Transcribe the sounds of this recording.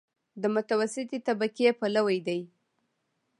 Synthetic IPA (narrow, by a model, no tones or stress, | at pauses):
d̪əmʊt̪awasɪt̪et̪abakepalawajd̪aj